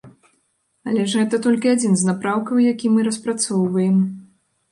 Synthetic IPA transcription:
a̰lʲɛʐɣɛt̪ɐt̪ɔlʲkʲiad͡zʲinznapɾawkɐwjakʲimɨɾɐspɾat̪sɔwvɐjɛm

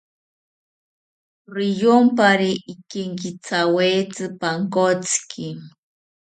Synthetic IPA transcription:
ɾijompaɾiʔːkeŋkit͡sawet͡sɨpaŋkot͡skʰi

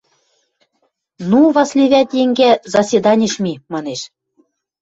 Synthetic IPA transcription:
nuβɑslʲeβʲæt̪jeŋɡæzɑsʲed̪ɑnʲeʃmimɑneʃ

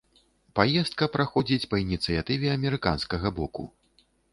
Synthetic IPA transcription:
pajɛst̪̚kɐpɾaxɔd͡zʲit͡sʲpɐinʲit̪sɨjat̪ɨvʲɛɐmʲɛɾɨkanskɐɣɐbɔkṵ

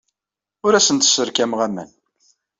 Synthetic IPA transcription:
ʊɾæsənt̪ə̥sːəɾkæmʁæmæ̰n

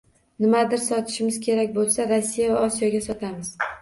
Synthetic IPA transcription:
nɪmad̪ɪɾsɒt̪ʰɪ̥ʃɪmɪz̥kʲʰe̞ɾak̚ʲbolˠsaɾosːijavaɒsijɒɡʲasɒt̪ʰamɪz̥

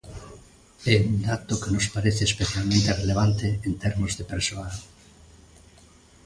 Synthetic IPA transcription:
ɛund̪at̪ʊkenospaɾeθeːspeθjalmẽnt̪ereleβ̞ant̪eent̪ɛɾmozðepeɾsoal

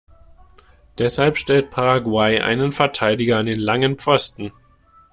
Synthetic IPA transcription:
d̥ɛshalpʃtɛlt̚pʰaʁaɡwaɪʔa̰ɪnənfɛɐtʰaɪdɪɡɐandeːnlaŋənpp͡fɔstn̩

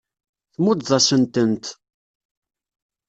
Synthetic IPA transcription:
θmud̪ðˤɑsənt̪ənt̪

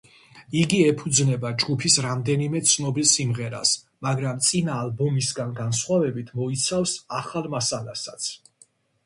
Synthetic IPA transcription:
iɡiɛpʰud̪znɛbad͡ʒɡupʰisɾamd̪ɛnimɛt̪sʰnɔbilsimʁɛɾa̰s | maɡɾamt̪sʼinaːlbɔmisɡanɡansχwavɛbit̪ʰmɔit̪sʰafsaχalˠmasalasat̪sʰ

